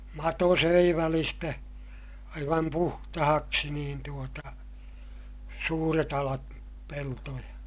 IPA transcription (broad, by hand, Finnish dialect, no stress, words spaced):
mɑto søi ʋælistæ ɑiʋɑm puhtɑhɑksi niːn tuotɑ suːret ɑlɑt peltojɑ